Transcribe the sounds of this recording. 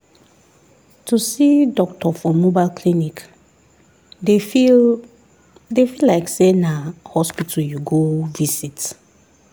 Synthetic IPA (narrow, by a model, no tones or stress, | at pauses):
tʰusidɔktʰɔfɔmobaɪlkʰlinik | defi | defilaɪksenahɔspitʰaljuɡovisit